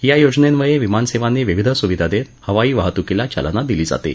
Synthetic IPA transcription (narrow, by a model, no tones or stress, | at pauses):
jajod͡znenʋəɭeʋimanseʋaneʋiʋid̪ʱəsuʋid̪ʱad̪et̪ | həʋaiːʋaɦt̪ukilat͡ɕa̰lnad̪iliːd͡za̰t̪ḛ